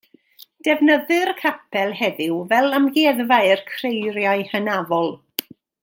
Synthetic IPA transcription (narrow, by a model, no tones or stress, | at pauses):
d̥ɛvnəðɨrkʰapʰɛlˠɦɛðɪwvɛlˠamɡeːðvaɨrkʰrejrjaɨhənavɔlˠ